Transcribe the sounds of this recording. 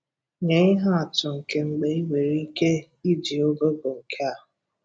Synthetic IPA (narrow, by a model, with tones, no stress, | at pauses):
ɲe˨˦i˦ɦa˦a˨tʊ˨ŋ̩˨ke˨ŋ͡m̩˨ɡ͡be˨i˦we˨ɾi˦i˦ke˦ | i˦di˨o˦ɡo˦bo˨ŋ̩˨kʰe˦a˨ɦʊ˨